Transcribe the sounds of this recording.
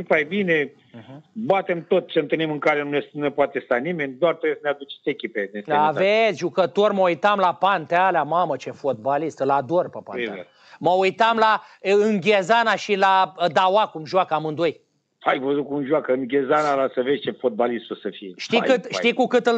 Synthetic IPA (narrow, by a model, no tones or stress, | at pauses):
pajbine | bat̪e̞mt̪ot̪̚t͡ʃeɨnt̪ɨlnimɨŋkaɾenunenunepoat̪est̪animenʲd̪oart̪ejesənead̪ut͡ʃe̥t̪ʲekʲipenesavet̪sʲʒukət̪o̞rməujt̪amlapant̪ealeamamət͡ʃefot̪̚balist̪lad̪orpəpaneḛ | məujt̪amlaɨŋɡʲezanaʃilad̪awakumʒwakəamɨnd̪oj | ajvəzut̪̚kumʒuakəɨŋɡʲezanalasəvesʲt͡ʃefot̪̚balist̪usəfijeʃt̪ikɨt̪ʃijkukɨt̪ɨl